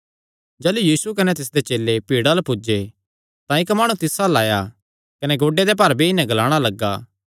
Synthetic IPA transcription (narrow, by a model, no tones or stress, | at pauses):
d͡ʒɛːlujiːsukɐnɛt̪ɪs̬d̪et͡ʃeːlːepiːɽalɐpʊd͡ʒe | t̪ãɪkmaːɽ̃ũt̪ɪsalaːja | kɐnɛɡoːɖed̪epɐɾbiɪnɛ̃ɡɐlaːɽ̃alɐɡːaː